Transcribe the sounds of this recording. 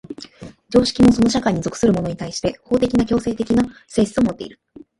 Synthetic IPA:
d͡ʑo̞ːɕi̥kʲimo̞so̞no̞ɕ̬akaiɲ̟izo̞kɯ̟̥sɨɾɯ̟mo̞no̞ɲ̟it̪aiɕi̥t̪e̞ho̞ːt̪e̞kʲinakʲo̞ːse̞ːt̪e̞kʲinase̞ːɕi̥t͡sɨo̞mo̞t̪ːe̞̰ḭɾɯ̟

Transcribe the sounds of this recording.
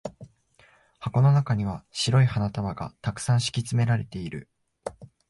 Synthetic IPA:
hako̞no̞nakaɲ̟iβ̞aɕiɾo̞ihanat̪amaɡa̰t̪akɯ̥sãɰ̃ɕi̥kʲit͡sɨme̞ɾaɾe̞t̪e̞iɾɯ̟

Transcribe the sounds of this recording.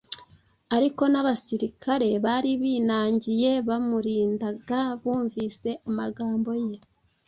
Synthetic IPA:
aɾiko̞naβasiɾikʰaɾe̞βaɾiβiːnaːɲɟije̞βamuɾiːndaɡaβuːɱvise̞amaɡaːmbo̞je̞

